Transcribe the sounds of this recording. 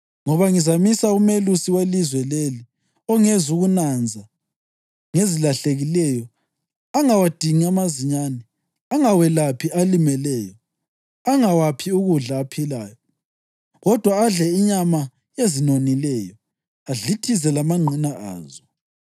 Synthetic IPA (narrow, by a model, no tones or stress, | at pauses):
ŋɔβaŋizamisaumelusiwelizwɛleli | ɔŋezuɣunand͡zʱa | ŋezilaɬeɣilɛjɔ | aŋawad̥ʱiŋiamaziɲanɛ | aŋawɛlapʰiʔalimɛlɛːjɔ | aŋawapʰiuɣuɮaːpʰilaːjɔ | ɣɔd̥ʱwaːɮɛiɲama | ezinonilɛjɔ | aɮitʰizɛlamaŋ͡ǀʱinaʔa̰ːzɔ